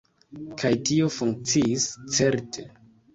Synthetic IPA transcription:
kʰajtio̞fuŋk̚t͡siist͡se̞ɾtʰe

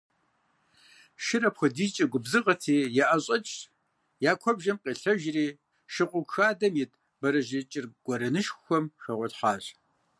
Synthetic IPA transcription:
ʃɪɾɐpxʷɔdiːt͡ʃʼɐɡʷʊbzɨqɐtʰiːjaʔɐɕʼɐt͡ʃʼ | jaːkʷʰɔbʒɐmqʼeːɬɐʒriː | ʃɪqʷʼʊkxaːdɐmjɛt | bɐɾɐʒɪt͡ʃʼɪrɡ̥ʷɔɾɐnɨʃxxʷɔmxɐʁʷɔtħaːɕ

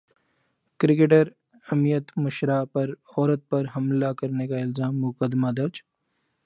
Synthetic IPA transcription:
kɾɪk̬eːʈəɾ | ɐmijət̪mʊʃɾapɐɾɔːɾət̪̚pɐɾɦɐmlakɐɾnekaɪlzaːmːʊkəd̪mad̪ɐɾd͡ʒ

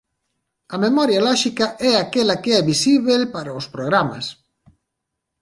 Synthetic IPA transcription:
ɐmemɔɾjalɔʃikɐʔɛakelakeɛβisiβelpaɾaʊspɾoɣɾama̰s

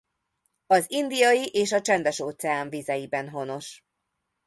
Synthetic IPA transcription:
ɒzind̪ijɒjiʔeːʃɒt͡ʃɛnd̪ɛʃoːt̪sɛaːɱvizɛjibɛnɦo̞no̞ʃ

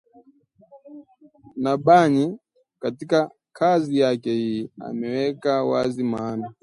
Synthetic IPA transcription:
naɓaɲi | katika | kʰazijakɛhia̰mɛwɛkawazimana

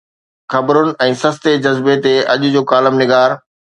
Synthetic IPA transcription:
xɐbɾʊnɪ̆ɛ̃ːsɐst̪ed͡ʑɐzbet̪eɐʄʊ̆d͡ʑoːkaːləmnɪɡaːɾ

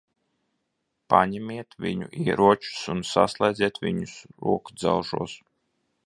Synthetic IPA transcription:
paɲɛmʲiɛt̪vʲḭɲuʔiɛɾuɔt͡ʃu̥sunsa̰slˠɛjd̪zʲiɛt̪vʲiɲusɾṵɔkud̪zawʒuɔs

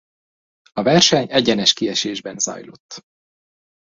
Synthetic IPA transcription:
ɒvɛrʃɛɲɛɟɛnɛʃkiɛʃeːʒbɛnzɒ̰jlo̰t̪ː

